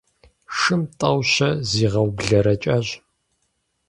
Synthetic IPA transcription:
ʂɨmtʼɐwɕɐziːʁɐwbɮɐɾɐt͡ʃʼɐɕ

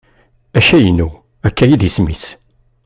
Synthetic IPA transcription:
æʃæjənːu | ækːæjiðismis

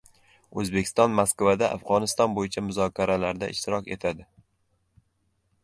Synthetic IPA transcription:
ɵzbe̞kʲʰɪ̥st̪ɒnmaskvad̪aʔa̰fʁɒnɪst̪ɒnbojɪt͡ʃʰamʊzɒkʲʰaɾalaɾd̪a̰ʔɪʃt̪ɪɾɒkʲe̞̰t̪ʰad̪ɪ

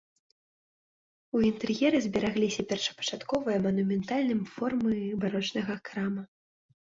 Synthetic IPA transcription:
uint̪ɛrjɛɾɨzʲbʲɛɾaɣlʲisʲɐpʲɛrʂɐ̥pɐ̥t͡ʂat̪kɔvɨjɐmɐnumʲɛnt̪alʲnɨmfɔrmɨbaɾɔt͡ʂnɐɣɐkɾamɐ

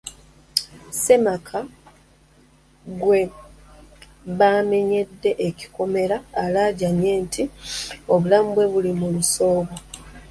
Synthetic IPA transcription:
se̞makʰa | ɡwe̞ | βaːme̞ɲe̞dːe̞ʔeci̥ko̞me̞ɾaːlaːɟaɲe̞ːntʰio̞βulamubwe̞βulimuluso̞ːβa

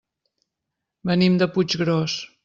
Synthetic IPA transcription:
bənimd̪əput͡ʃɣɾɔs

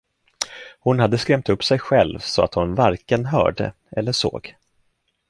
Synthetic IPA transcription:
hʊnhad̪ːəskɾɛmt̪ɵpːsɛjɧɛlvsɔa̰t̪hʊnvaɾkənɦœ̰ːɖə̰ | ɛlːəʂo̰ːɡ

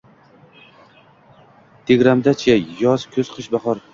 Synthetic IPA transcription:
t̪ʰeɡʲɾamd̪at͡ʃʰajɒz̥kʲʰɵz̥qʰɨʃbaχɒɾ

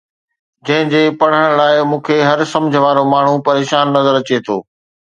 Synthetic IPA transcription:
d͡ʑɐ̃ɦɪ̃d͡ʑeːpɐɽ̤əɽ̃laːɪmũːkʰeɦɐɾsɐ̃md͡ʑʱəʋaːɾomaːɳ̤upɐɾeːʃaːnːɐzəɾɐt͡ɕet̪ʰo̰ː

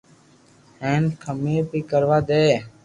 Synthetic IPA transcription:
hẽːnkʰəmeːpiːkəɾʋaːd̪eː

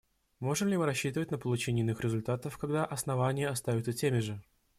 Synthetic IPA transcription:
mo̞ʐɨmlʲɪmɨɾɐɕːit̪əvətʲnəpəlˠʊt͡ɕenʲɪjnɨxɾʲɪzʊlʲt̪at̪əfkɐɡd̪aʔɐsnɐvanʲɪjəɐst̪avʲʊt̪sətʲemʲɪʐɨ

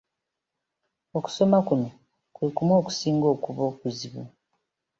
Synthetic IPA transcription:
o̞ku̥so̞makuno̞ | kwekumo̞ːku̥siːŋɡo̞ːkuβo̞ːkuziβṵ

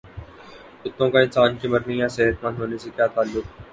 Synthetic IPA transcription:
ʊt̪ːõkaɪnsaːnkimɐɾnijãseɦət̪mɐ̃nd̪ɦoːnesekjaːt̪aːlːʊk

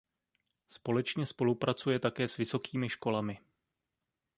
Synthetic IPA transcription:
spo̞lɛt͡ʃɲɛspo̞lupɾat͡sujɛt̪akɛːsvɪso̞kiːmɪʃko̞lamɪ

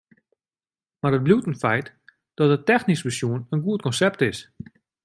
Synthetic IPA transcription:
marət̚bljutn̩fɛjt | d̥ɔtətɛxnisməsjuənənɡuət̚kɔnsɛp̚tɪs

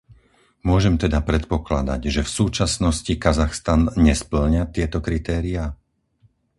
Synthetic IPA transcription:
mʊɔʒɛmt̪ɛd̪apɾɛt̪pɔklad̪a̰ɟʒɛfsuːt͡ʃasnɔscikazaxst̪anɲɛspl̩ɲat̪ɪɛt̪ɔkɾit̪ɛːɾiaː

